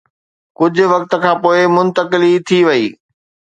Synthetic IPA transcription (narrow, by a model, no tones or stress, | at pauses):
kʊd͡ʑʱʊ̆ʋɐkt̪ə̆kʰãːpoːɪmʊ̃nt̪əkɪlit̪ʰiʋɐḭː